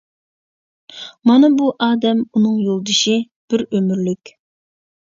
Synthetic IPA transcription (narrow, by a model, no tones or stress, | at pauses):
mɑnɑbuʔɑːd̪ɛmunɨŋjolˠd̪ɨʃi | b̥ɪɾømyɾlykʲ